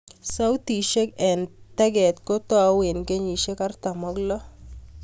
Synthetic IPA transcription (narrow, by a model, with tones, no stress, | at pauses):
sa˦wt̪i˨ʃe˦kɛ˨ntɛ˦ɡɛ˨t̪ko˦t̪ɔ˦a˨˦we˨nke˦ɲi˨ʃe˦ka˦rt̪a˨mɔ˦ɡlɔ˦